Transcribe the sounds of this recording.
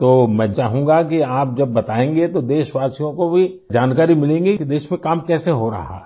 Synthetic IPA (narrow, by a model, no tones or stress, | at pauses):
t̪oːmɛ̃t͡ʃaːɦũŋɡakiaːp̚d͡ʒɐbːɐt̪aːẽːŋɡet̪od̪eːʃʋaːsijõkobʱid͡ʒaːnkaːɾimɪlẽːŋɡekid̪eːʃmẽkaːmkɛːseɦoɾɐ̰ɦa̰ɦɛ